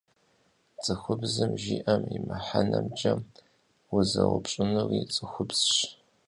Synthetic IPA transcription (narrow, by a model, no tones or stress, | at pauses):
t͡sʼɨxʷʊbzɨmʒiːʔɐmimɨħanɐmd͡ʒɐm | wʊzɐwʊpɕʼɪnɨrit͡sʼɨxʷʊbz̥ʃ